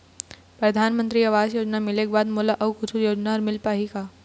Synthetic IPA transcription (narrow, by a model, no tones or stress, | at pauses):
pɾɐd̪ʱaːnmə̃nt̪ɾiɐʋaːzjoːd͡ʒnamɪlek̚baːd̪moːlaʔɐʋkʊt͡ʃʰujoːd͡ʒnaɐɾmɪlpaːɦikaː